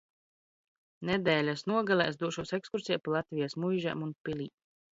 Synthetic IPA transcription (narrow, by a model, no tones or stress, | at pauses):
nɛd̪ɛːlʲasnuɔɡalˠɛsd̪uɔʃuɔsekskuɾsijapalˠat̪vʲijasmujʒa̰munpilʲiː